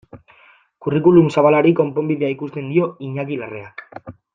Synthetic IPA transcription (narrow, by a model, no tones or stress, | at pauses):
kurikulumsaβalaɾiko̞mpo̞mbiðeaikust̪e̞nd̪io̞iɲakilare̞ak